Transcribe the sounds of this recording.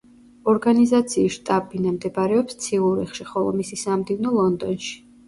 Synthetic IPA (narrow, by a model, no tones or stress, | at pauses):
ɔɾɡanizat̪sʰiːsʃt̪ʼabinamd̪ɛbaɾɛɔpst̪sʰiuɾḭχʃiχɔlˠɔ̰misisamd̪ivnɔlˠɔnd̪ɔnʃi̥